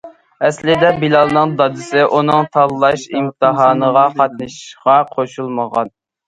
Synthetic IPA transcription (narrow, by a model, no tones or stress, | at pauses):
ɛslɪd̪ɛbilˠɑlˠnɨŋd̪ɑd̪ɨsɪʔunɨŋt̪ʰɑllˠːɑʃimt̪ʰɨɦɑːnəʁɑqʰɑt̪̚nɨʃʁɑqʰoʃulˠməʁɑ̰n